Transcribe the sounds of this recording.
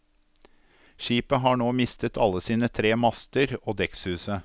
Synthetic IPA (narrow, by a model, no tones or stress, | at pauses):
ʃiːpəɦɑːɳoːmɪst̪ət̪ʰɑlːəsiːnət̪ʰɾeːmɑst̪əɾoːd̪ɛkshʉːsə